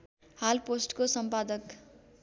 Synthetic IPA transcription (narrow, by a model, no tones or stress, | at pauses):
halposʈkosʌmpad̪ʌk